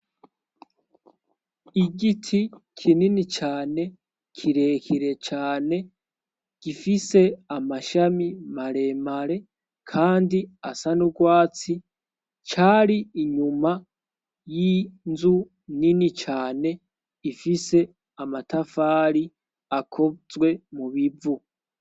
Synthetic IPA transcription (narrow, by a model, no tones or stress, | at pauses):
iɡitʰikʰininit͡ʃaːne̞ | kʰiɾe̞kʰiɾe̞t͡ʃaːne̞ | ɡ̥ifise̞amaʃamimaɾe̞ːmaɾe̞ | kʰaːndiasanuɡwaːt͡si | t͡ʃaːɾiːɲuma | jinzu | ninit͡ʃaːne̞ | ifise̞ | amatafaːɾi | akʰo̞zwe̞muβivu